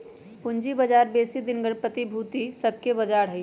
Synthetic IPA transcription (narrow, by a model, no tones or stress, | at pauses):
pʊnd͡ʒibəd͡ʒaːɾbeːsid̪ɪnɡəɽpət̪ibʱuːt̪isəb̚ʱkebɐd͡ʒaːɾɦɛi